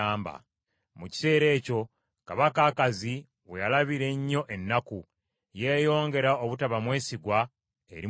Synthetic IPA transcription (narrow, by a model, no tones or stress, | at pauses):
aːmba̰ | muci̥se̞ːɾe̞ːco̞ | kaβakaːkazi | wejalaβiɾe̞ɲːo̞ʔe̞nːaku | je̞ːjo̞ːŋɡe̞ɾaoβutaβamwe̞ːsiɡwa | e̞̰ɾi